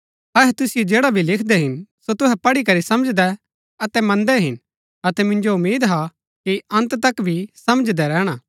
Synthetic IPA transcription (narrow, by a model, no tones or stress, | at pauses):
ɐɦɛt̪ʊsɪjod͡ʒeːɽabʱilɪkʰd̪ɛɦɪnsot̪ʊɦɛpɐɽikɐɾisɐməd͡ʒd̪ɛ | ɐt̪ɛmɐ̃nd̪ɛɦɪn | ɐt̪ɛmɪ̃nd͡ʒoʊmiːd̪ɦa | kiɐ̃nt̪t̪ɐkbʱisɐməd͡ʒd̪ɛɾɛːɽ̃aː